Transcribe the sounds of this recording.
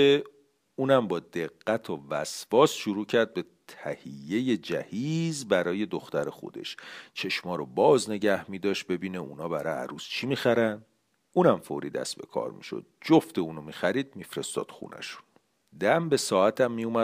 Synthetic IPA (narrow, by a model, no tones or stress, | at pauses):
e | uːnæmbɒːd̪eɣːæt̪ʰovæsvɒːsʃuɾuːcʰæɾd̪̚be̞t̪ʰæhijːe̞je̞d͡ʒæhiːzbæɾɒːje̞d̪oxt̪æɾexo̰d̪e̞̰ʃt͡ʃʰe̞ʃmɒːɾobɒːzne̞ɟæhmiːd̪ɒːʃt̪̚be̞biːneʔṵːnɒːbæɾɒjæ̰ɾuːst͡ʃʰimiːxæɾæn | uːnæmfo̰ɾḭːd̪æ̰sbe̞̰kʰɒ̰ːɾmḭʃo̰d̪̥̚d͡ʒoft̪euːnomiːxæɾiːd̪̚miːfɾe̞st̪ɒ̰ːd̪̥xṵːnʔæ̰ʃu̥n | d̪æmbe̞sɒːæt̪ʰæmːijumæ